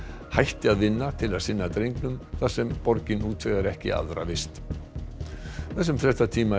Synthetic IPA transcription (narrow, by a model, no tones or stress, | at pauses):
hajht̪ɪaðvɪnːat̪ʰɪlaðsɪnːat̪ɾejŋknʏmθasɛmpɔɾcɪnuːt̪ʰœðaɾɛhcɪ̰a̰ðɾa̰vɪst̪ | θɛs̬ːʏmfɾɛst̪at̪ʰiːma